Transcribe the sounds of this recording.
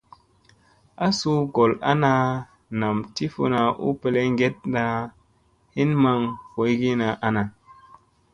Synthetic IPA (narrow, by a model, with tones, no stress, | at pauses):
a˦su˧ɡo˨la̰˦na˧ | na˨mti˦fo̰˧na˧ʔṵ˦pe˧le˦ŋɡe˦t̚na˧ | hi˦nma˧ŋko˨˦jɡi˦na˧ʔa˦na˨